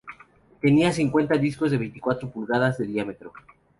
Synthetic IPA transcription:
t̪e̞niasiŋkwe̞nt̪aðisko̞zðe̞βe̞jnt̪i̥kwat̪ɾopulɣað̞azðe̞ðiamet̪ɾo

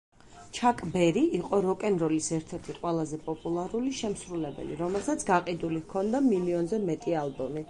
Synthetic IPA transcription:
t͡ʃʰakʼbɛɾiiqʼɔɾɔkʼɛnɾɔlisɛɾt̪ʰɛɾt̪ʰiqʼwɛlˠazɛpʼɔpʼulˠaɾuliʃɛmsɾulɛbɛ̰lḭɾɔmɛlˠsat̪sʰɡaqʼid̪ulihkʰɔnd̪amiliɔnzɛmɛt̪ʼialˠbɔmi

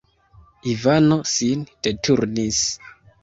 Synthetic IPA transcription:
ivano̞sind̥e̞tʰuɾnis

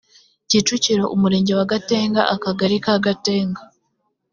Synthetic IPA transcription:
ciːt͡ʃuciɾo̞ʔumuɾe̞ːɲɟe̞waɡateːŋɡa̰ʔakaɡaɾikaːɡate̞ːŋɡa

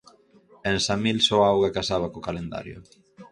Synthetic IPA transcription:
ensamilsɔawɣakasaβ̞akokalend̪a̰ɾjʊ̰

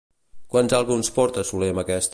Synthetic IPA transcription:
kwanzalˠɣunspɔɾt̪əsuleməkɛst̪

